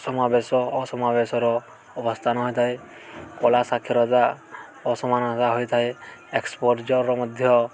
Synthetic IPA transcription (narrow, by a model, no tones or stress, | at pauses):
sɔmabesɔːsɔmabesɔɾɔ | ɔbɔst̪ʰanɦɔjt̪ʰaj | kɔlasakʰjɔɾɔd͡ʒa | ɔsɔmansaɦɔjt̪ʰaeekspɔʈt͡ʃɔɾɾɔmɔd̪ʱjɔ